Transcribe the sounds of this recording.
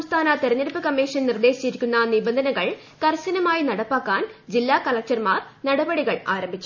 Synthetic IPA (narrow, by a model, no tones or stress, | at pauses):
sɐmst̪ʰaːnɐt̪eɾɐɲːɐɽɐpːɨkɐmːiːʂɐnnird̪e̞ːɕit͡ɕːiɾikʲːunːɐnibɐnd̪ʱɐnɐɣɐɭ | kɐrsɐnɐmaːjinɐɽɐpːaːkːaːnd͡ʑilːaːkɐlɐk̚t͡ɕɐrmaːrnɐɽɐbɐɽiɣɐɭa̰ːɾɐmbʱit͡ɕːu̥